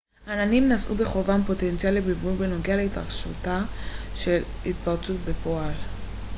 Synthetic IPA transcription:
ʔananimnasʔṵbe̞χo̞vampo̞tent͡sialːebivulbeno̞ɡealeitʁa̰ʁʃṵtaʃe̞l | itpaʁt͡sut̚be̞po̞al

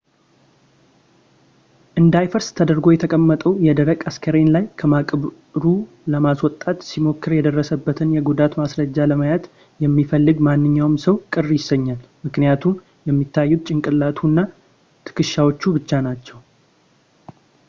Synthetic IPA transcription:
ʔɨnd̪ajfəɾst̪ʰəd̪əɾɡo̞jɛt̪ʰəkʼəmːət̪ʼəwjɛd̪əɾəkʼaskʰəɾenlajkʰəmakʼβ | ɾu | ləmaswɔt̪ʼːat̪simo̞kːɨɾjɛd̪ərːəsəbːət̪ʰɨnjɛɡud̪at̪masɾəd͡ʒːaləməjat̪ | jɛmːifəlːɨɡmanːɨɲːawmsəwkʼɨrːjɪsːəɲːalmɨknijat̪ʰum | jɛmːit̪ʰːajːut̪̚t͡ʃʼɪŋkʼɨlːat̪ʰunːa | t̪ʰɨ̥kɨʃːawot͡ʃːubɨt͡ʃːanat͡ʃːɛw

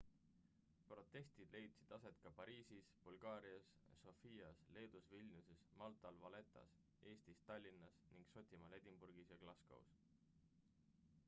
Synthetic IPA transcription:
pro̞t̪ːˑe̞st̪id̪̥le̞jt̪sid̪̥ɑse̞t̪kɑpɑɾiːsisb̥ulɡ̥ɑːɾiɑs | so̞fiːɑsle̞ːd̪̥usvilʲnʲjuse̞smɑlt̪ˑɑlvɑle̞t̪ːˑɑ̰s | e̞ːst̪ist̪ɑlʲːinːɑsniŋɡ̥so̞t̪ʲimɑle̞d̪̥ʲimburɡ̥isjɑklɑskɑ̰ṵs

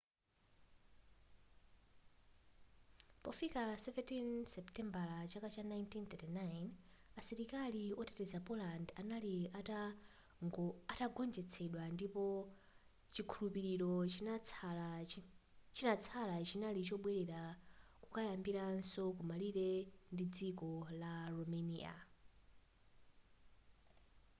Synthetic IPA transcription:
pɔfikasɛvɛntʰinsɛptɛmbalat͡ʃakat͡ʃanajntʰint̪ɛtinajnasiɾikaliɔtɛtɛzapɔlandanaliata | ataɡɔnd͡ʒɛt͡sʰɛɗwandipɔ | t͡ʃikʰulupiɾiɾɔ | t͡ʃinat͡sʰalat͡ʃinalit͡ʃɔɓwɛɾɛɾakukajambiɾansɔk̬umaliɾɛndid͡zikɔlarɔmenḭa̰

